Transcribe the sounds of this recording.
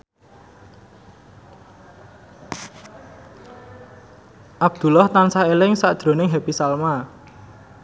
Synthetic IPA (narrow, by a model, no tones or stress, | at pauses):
ʔab̥̚d̪̥ṳlɔht̪ansaelɪŋsaʔd̥ʒ̥ɾo̤nɪŋɦepisalma